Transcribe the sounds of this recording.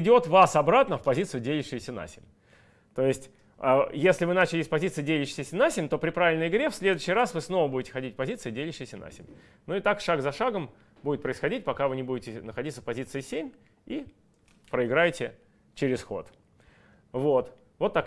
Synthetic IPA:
ɪdʲo̞t̪vasɐbɾat̪nəfpɐzʲit̪sɨjʊdʲelʲɪʂɪjʊsʲəna̰sʲɪ̰mʲ | t̪o̞jɪsʲtʲ | əjesʲlʲɪvɨnat͡ɕɪlʲɪsʲpɐzʲit̪sɨɪdʲelʲɪʂɪ̥sʲɪsʲənasʲɪmʲt̪o̞pɾʲɪpɾavʲɪlʲnəjɪɡɾʲe̞fsʲlʲe̞d̪ʊɕːɪjɾasvɨsno̞vəbudʲɪtʲɪ̥xɐdʲitʲpɐzʲit̪sɨjdʲelʲɪʂɪjsʲəna̰sʲɪ̰mʲ | nuɪt̪akʂaɡzɐʂaɡəm | budʲɪt̪̚pɾəɪsxɐdʲit̚ʲpɐkavɨnʲɪbudʲɪtʲɪnəxɐdʲit̪sə̥fpɐzʲit̪sɨɪsʲemʲ | i | pɾəɪɡɾajɪtʲɪ | t͡ɕɪɾʲɪsxo̞̰t̪ | vo̞t̪ | vo̞t̪ːɐk

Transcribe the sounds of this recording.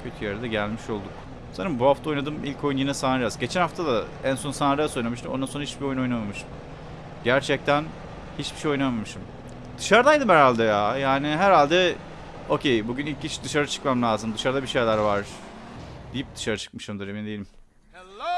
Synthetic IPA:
cʰøt̪ʰyjeɾd̪ɛɟælʲmiʃo̞lˠd̪uk | sanɯmbuhaft̪ʰaonad̪ɯmilʲcʰo̞junjinɛsanɾɯd͡ʒazɟe̞t͡ʃʰænhaft̪ʰad̪a | ænso̞nsanaɾajaso̞jnamɯʃt̪ɯmond̪anso̞nɾahit͡ʃbio̞junonamamɯʃɯm | ɟæɾt͡ʃʰɛc̚t̪ʰæn | hit͡ʃbiʃejo̞jnamamɯʃɯm | d̪̥ɯʃaɾɯd̪ajd̪ɯmhæɾalʲd̪ɛjajaːniɦæɾalʲd̪ɛ | o̞cʰejbuɟynilʲc̚ːiʃd̪ɯʃaɾɯt͡ʃʰɯ̥kmamlʲaːzɯmd̪ɯʃaɾɯd̪abiʃejlʲæɾvaɾ̥ | d̪ijip̚d̪̥ɯʃaɾɯt͡ʃʰɯ̥k̚mɯʃɯmd̪ɯɾeminɛd̪ejelʲim

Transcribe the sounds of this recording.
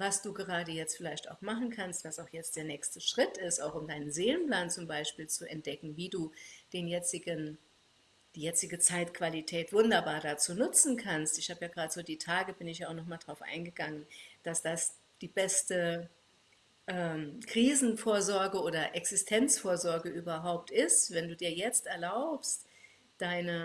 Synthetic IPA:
vasd̥uːɡəʁaːdəjɛt͡stfɪlaɪçta̰ʊxmaχn̩kʰanstv̥asaʊxjɛt͡std̥eːɐnɛːçstəʃʁ̥ɪtɪstaʊxʊmdaɪnənzeːlənpl̥aːnt͡sʊmbaɪʃpiːlt͡suɛnt̚d̥ɛkŋ̩viːduːd̥eːnjɛt͡sɪɡən | d̥iːjɛt͡sɪɡət͡saɪtkv̥alitʰɛːtv̥ʊndɐbaːɐdat͡suːnʊt͡sn̩kʰanstɪçhaːbəjaːɡəʁaːdəz̥oːdiːtʰaːɡəbɪnɪçjaaʊxnɔχmaːldʁaʊfʔa̰ɪnɡəɡaŋənd̥asd̥as | d̥iːbɛstə | ʔɛːmkʁ̥iːzn̩foːɐzɔɐɡəoːdɐʔɛksɪstʰɛnt͡sfoːɐzɔɐɡəʔyːbɐɦaʊp̚tɪstv̥ɛnduːdiːɐjɛt͡stɛɐlaʊpst | d̥aɪnə

